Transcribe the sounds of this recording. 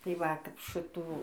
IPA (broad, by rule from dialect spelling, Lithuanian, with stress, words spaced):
tɐɪ ˈʋɐ kɐp ˈʃɨtuː